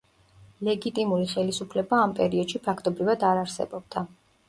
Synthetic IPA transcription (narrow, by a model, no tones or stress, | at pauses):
lɛɡit̪ʼimuɾiχɛlisupʰlɛbaːmpʼɛɾiɔd̪̥ʃipʰakʰt̪ʼɔbɾivad̪aɾaɾsɛ̰bɔb̥̚d̪̥a